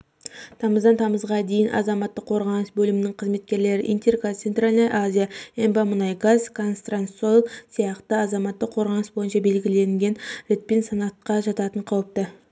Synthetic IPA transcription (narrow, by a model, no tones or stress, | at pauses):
t̪ʰɑməzd̪ɑnt̪ʰɑməzʁɑd̪e̞jɪnʔɑ̰zɑmɑt̪ːəqʰo̞ɾʁɑnəsbɵlɪmɪnɪŋqʰəzme̞t̪̚kʲe̞ɾle̞ɾɪʔint̪e̞rkot̪sent̪ralʲnəjʔazʲijaembɑmənɑjɡazkʰonst̪ransolˠsijɑqt̪əɑzɑmɑt̪ːəqʰo̞ɾʁɑnəsbo̞jənʃɑbe̞lɡʲɪle̞ŋɡʲe̞nɾe̞t̪̚pe̞nsɑnɑt̪̚qɑʒɑt̪ɑt̪əɴqʰɑwəp̚t̪ə